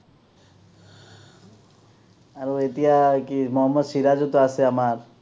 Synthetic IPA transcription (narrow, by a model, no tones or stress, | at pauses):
aɾoet̪ijakimɔɦɔmːɔd̪ʃiɾad͡ʒot̪oaseamaɾ